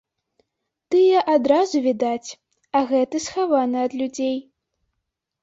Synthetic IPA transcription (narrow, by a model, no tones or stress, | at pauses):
t̪ɨjɛʔad̪ɾazuvʲid̪at͡sʲ | ɐɣɛt̪ɨsxavanɨɐd̪lʲud͡zʲej